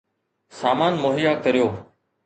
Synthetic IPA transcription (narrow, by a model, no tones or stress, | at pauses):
saːmaːnmoːɦijaːkəɾijoː